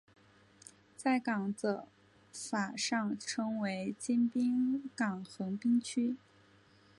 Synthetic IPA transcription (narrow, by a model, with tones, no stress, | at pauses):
t͡sa˥˩ɪkɑ˨˩ŋt͡sə˧˩ | fa˨˩ʂɑ˥˩ŋʈ͡ʂʰɤ˥ŋwe˧˥ɪt͡ɕi˥npi˥ŋkɑ˨˩ŋxɤ˧˥ŋpi˥ŋt͡ɕʰy˥